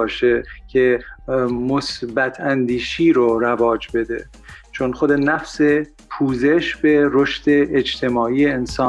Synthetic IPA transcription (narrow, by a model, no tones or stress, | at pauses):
ɒːʃecʰe | mosbæt̪ʰænd̪iːʃiːɾoɾævɒːd͡ʒbe̞d̪e | t͡ʃʰonχod̪enæfse | pʰuːze̞ʃbeɾoʃt̪e̞ːd͡ʒt̪ʰe̞mɒːiːeːnsɒː